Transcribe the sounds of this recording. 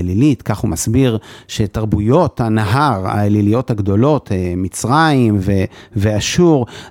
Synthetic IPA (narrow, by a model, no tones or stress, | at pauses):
lilitkaχhumasbiʁʃe̞taʁbujo̞thanaɦaʁa̰elilijo̞thaɡdo̞lo̞temit͡sʁaimveveaʃuʁ